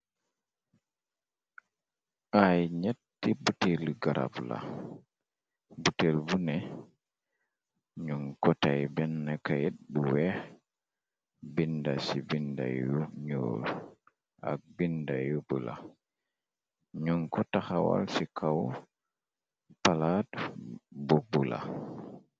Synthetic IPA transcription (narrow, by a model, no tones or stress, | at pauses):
ʔajɲetː | ibutelɡaɾʔa̰bla̰ | butelbunɛ | ɲuŋkɔtajbɛnːɛkajeɗ̚buwɛ | bindasibinda̰juɲo̰ːl | ʔa̰k̚bindajubula̰ | ɲuŋkɔtaxawa̰lsikʰaw | palat | bobula̰